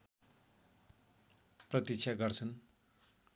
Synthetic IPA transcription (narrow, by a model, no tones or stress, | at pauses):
prʌt̪it͡sʰaɡʌrt͡sʰʌn